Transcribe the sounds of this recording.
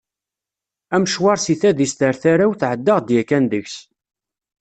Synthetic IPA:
æmʃwɑɾsiθæðist̪əɾθaɾawθʕəd̪ːəʁd̪jækːænðəçs

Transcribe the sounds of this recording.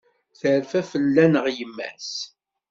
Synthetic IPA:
θəɾfæfəlːænəʁjəmːæ̰s

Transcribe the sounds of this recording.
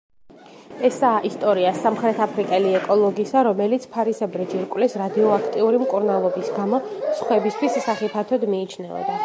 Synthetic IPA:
ɛsaːʔist̪ʼɔɾiasamχɾɛt̪ʰapʰɾikʼɛliɛkʼɔlˠɔɡisaɾɔmɛlit̪sʰpʰaɾisɛbɾɛd͡ʒiɾkʼwlɛsɾad̪iɔakʰt̪ʼiuɾimkʼuɾnalˠɔbisɡamɔsχwɛbist̪ʰwissaχipʰat̪ʰɔd̪miːt͡ʃʰnɛɔ̰d̪a

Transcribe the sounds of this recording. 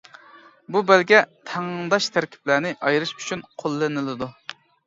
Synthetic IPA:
bubɛlɡʲɛt̪ʰæŋd̪ɑʃt̪ʰæɾkʲʰi̥plæɾnɪʔɑjɾɨʃy̥t͡ʃʰynqʰolˠːɨnɨlˠɨd̪u

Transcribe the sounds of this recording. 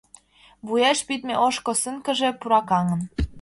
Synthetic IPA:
βujɑʃpit̪meʔoʃkosəŋkə̆ʒepuɾɑkɑŋə̆n

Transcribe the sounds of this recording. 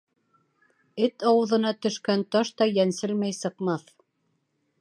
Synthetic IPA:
ɘt̪ɑwɤ̆ðɤ̆n̪ɑt̪ɵ̆ʃkænt̪ɑʃt̪ɑjænsɘlmæjsɤ̆qmɑθ

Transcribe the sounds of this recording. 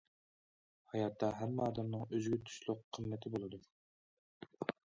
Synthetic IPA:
hɑjɑt̪ʰːɑɦɛmːɛɑːd̪ɛmnɨŋøzɡʲyt̪ʰy̥ʃlˠʊqʰːəmːɛt̪ʰɪbolˠɨd̪u

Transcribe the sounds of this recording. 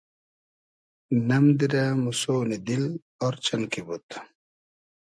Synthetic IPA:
nɐmd̪iɾamusoːnid̪il | oːɾt͡ɕɐnkibut̪

